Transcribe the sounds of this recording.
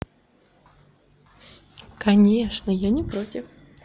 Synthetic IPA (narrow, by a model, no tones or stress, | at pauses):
kɐnʲeʂnəjɔnʲɪpɾotʲɪf